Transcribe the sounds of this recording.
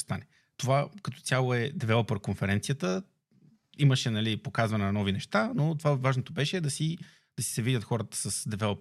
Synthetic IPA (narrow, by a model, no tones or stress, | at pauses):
st̪anɛ | t̪ovakɐt̪ɔ̥t̪ʲjalˠoɛd̪ɛvɛlˠopəɾkonfɛɾɛnt̪sijət̪ə | iməʃɛnɐlipokazvɐnɛnɐnɔvinɛʃt̪anot̪ovavaʒnot̪obɛʃɛːd̪ɐsi | d̪̥ɐsi̥sɛvidʲət̪xɔɾət̪ə̥səsd̪ɛvɛlˠop